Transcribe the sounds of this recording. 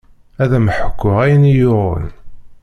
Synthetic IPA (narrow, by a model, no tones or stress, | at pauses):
æðæmħə̥kʷːʊʁæjənijʊʁə̰n